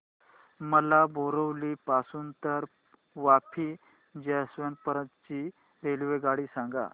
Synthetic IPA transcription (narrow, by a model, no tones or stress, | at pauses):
məlabʱoɾəwliːpasuːnt̪əɾ | ʋapʰiː | d͡ʑesʋən̚pəɾət̪t͡ɕi | ɾelʋeɡaɽiːsãŋɡa̰